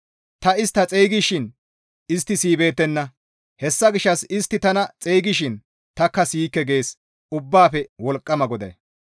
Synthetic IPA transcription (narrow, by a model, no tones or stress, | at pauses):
t̪ɐɪst̪ːɐt͡sʼejɡɪʃɪn | ɪst̪ːɪsiːbe̞ːt̪ːɛnːɐ | hɛsːɐɡɪʃːɐsɪst̪ːɪt̪ɐnɐt͡sʼejɡɪʃɪn | t̪ɐkːɐsiːkːɛɡe̞ːs | ʊbːaːfɛwɔlkʼːɐmɐɡɔd̪ɐ̰